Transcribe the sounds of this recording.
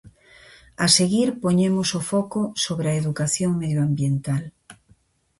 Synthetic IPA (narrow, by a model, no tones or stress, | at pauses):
aseɣiɾpoɲemosofɔkosoβɾeɐeðukaθjoŋmeðjoambjent̪al